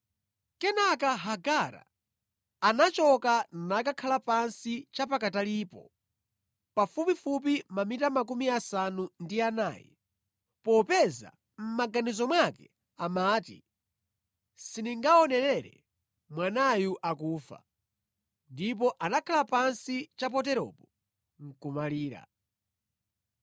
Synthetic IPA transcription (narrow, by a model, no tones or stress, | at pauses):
kɛnakaɦaɡaɾa̰ː | nat͡ʃɔkannakakʰalapansit͡ʃapakataliːpɔ | pafupifup̬imamitamak̬umiasanundianaːjɛ̰ | pɔpɛza̰ | m̩maɡanizɔmwakɛ | amaːtḭ | siniŋɡaɔnɛɾɛɾɛ̰ | mwanajuʔakuːfa̰ | ndip̬ɔʔanakʰalapansit͡ʃap̬ɔt̬ɛɾɔ̰pɔ | ŋ̩kumaliːɾa̰